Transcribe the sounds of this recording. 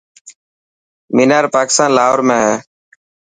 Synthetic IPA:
miːnaːɾpaːkɪ̥st̪aːnlaːɦoɾmẽːɦɛː

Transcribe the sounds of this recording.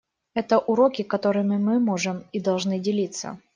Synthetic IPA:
ɛt̪əʔʊɾokʲɪkɐt̪o̞ɾɨmɨmɨmo̞ʐɨmid̪ɐlˠʐnɨdʲɪlʲit̪sə̰

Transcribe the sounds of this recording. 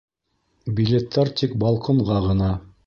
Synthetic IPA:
bʲilʲet̪ːæɾt̪ik̚bɑlˠqŏɴʁɑʁɤ̆nɑ

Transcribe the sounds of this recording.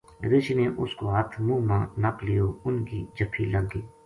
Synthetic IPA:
ɾɪʃineʔʊskoɦət̪ʰmũːmãːnəklijoʊnkid͡ʒəpʰːiːləɡːiː

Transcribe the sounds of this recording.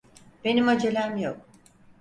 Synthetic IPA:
b̥e̞nimad͡ʒelʲæmjok̚

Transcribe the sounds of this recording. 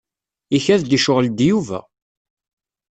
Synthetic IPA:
içæðd̪iʃʊʁld̪juvæ̰

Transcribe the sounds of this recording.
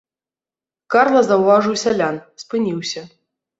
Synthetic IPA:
karlˠɐzɐwvaʐɨwsʲalʲanspɨnʲiwsʲɐ

